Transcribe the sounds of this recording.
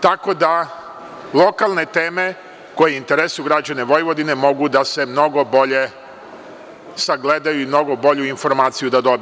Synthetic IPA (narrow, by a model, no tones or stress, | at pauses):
t̪ako̞d̪a | lˠo̞kalˠne̞t̪e̞ːme̞ | ko̞jeint̪e̞ɾesojuɡɾad͡ʑane̞ʋo̞jʋo̞d̪ine̞mo̞ɡud̪ase̞mno̞ɡo̞bo̞ʎe̞ | saɡled̪ajuimno̞ɡo̞bo̞ʎuinfo̞ɾmaːt̪sijud̪ad̪o̞bi